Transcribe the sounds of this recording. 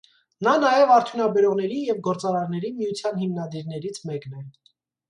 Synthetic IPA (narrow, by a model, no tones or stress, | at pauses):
nɑnɑjɛvɑɾt̪ʰjunɑbɛɾɔʁnɛɾijɛvɡɔɾt͡sɑɾɑɾnɛɾimijut͡sʰjɑnɦimnɑd̪iɾnɛɾit͡sʰmɛknɛ